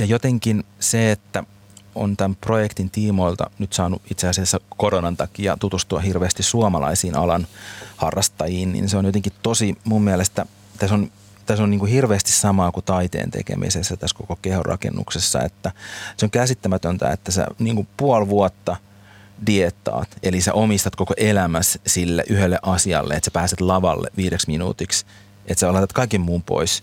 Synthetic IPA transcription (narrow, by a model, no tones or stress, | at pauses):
jɑjot̪eŋkinseet̪ːæ | o̰nt̪æmprojekt̪int̪iːmoilt̪ɑ̰nyt̪sɑːnuʔit̪seɑsiɑsːækoɾonɑnt̪ɑkiɑ̰t̪ut̪ust̪uɑhirʋeːst̪issuɑmɑlɑ̰isiːnɑlɑnhɑrːɑst̪ɑjiːnnḭnseonjot̪eŋkitt̪osimummiælest̪æ | t̪æson | t̪æsonniːŋkuhirʋeːst̪issɑmɑːkut̪ɑit̪ḛːnt̪ḛkḛmḭsesːæt̪æskokokehorʔɑ̰kḛnːṵksesːɑ̰ḛt̪ːæseoŋkæsit̪ːæmæt̪ønt̪æ̰ḛt̪ːæsæ̰niːŋkupuɑlʋuɔt̪ːɑ | diet̪ːˑɑ̰ːt̪elisæ̰ʔomist̪ɑt̪kokoʔelæmæssilːḛʔyhelːeʔɑsiɑ̰lːḛet̪sæpæːset̪lɑʋɑ̰lːḛʋiːɾeksminṵːt̪iks | et̪seɑlɑt̪ɑt̪kɑikemmuːmpo̰is